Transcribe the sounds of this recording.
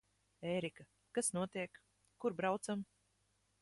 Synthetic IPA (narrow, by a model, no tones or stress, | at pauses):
eːɾika | kasnuɔt̪iɛk | kːuɾbɾawt̪sam